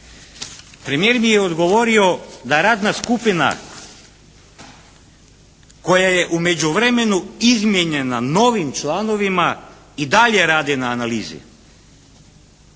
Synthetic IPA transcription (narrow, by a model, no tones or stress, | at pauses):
pɾemije̞ːɾmijeod̪ɡo̞ʋo̞ɾio̞d̪aɾaːd̪naskupina̰ | ko̞jaje̞ʔume̞d͡ʑuʋɾeme̞nuizmjeɲe̞nano̞ːʋimt͡ʃlˠaːno̞ʋima | id̪aʎe̞ɾaːd̪inaːnaliːzḭ